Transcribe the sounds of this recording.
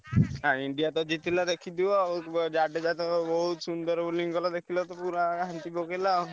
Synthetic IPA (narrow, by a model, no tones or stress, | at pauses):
ɦãiɳɖijat̪ɔd͡ʒit̪ʰilad̪ekʰid̪iwad͡ʒaɖed͡ʒat̪ɔbɔɦut̪sund̪ɔɾbuliŋkɔlad̪ekʰilɔt̪ɔpuɾaɦant̪ibokela